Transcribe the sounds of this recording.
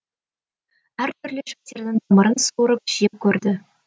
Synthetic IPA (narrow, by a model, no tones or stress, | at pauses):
æɾt̪ʰɵɾleʒɑk̚t̪e̞ɾd̪ɪŋd̪ɑməɾənsuuɾəpʒ̥ijep̚kʲʰɵɾd̪ɪ